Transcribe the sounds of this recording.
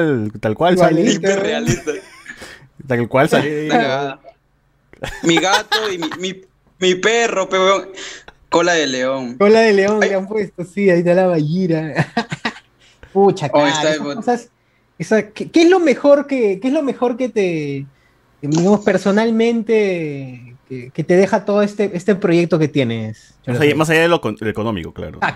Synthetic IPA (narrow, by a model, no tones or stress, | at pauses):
lt̪alkwalalit̪ealist̪a | t̪alkwalsalieiɣaða | miɣat̪oimimi | miperopewokolaðeleoŋkolaðele̞o̞ŋleampwest̪osiait̪ealaβaʝiɾa | put͡ʃaeaaosas | esakekeezlo̞me̞xo̞ɾkekeezlo̞me̞xo̞ɾke̞t̪e | d̪iɣamo̞spe̞ɾso̞nalmẽ̞nt̪e | keke̞t̪e̞ð̞e̞xat̪o̞ðoest̪eʔest̪e̞pɾo̞je̞k̚t̪o̞ke̞t̪je̞ne̞s | masamas̬aʝaðelokoelekonomḭkokla̰ɾo̰a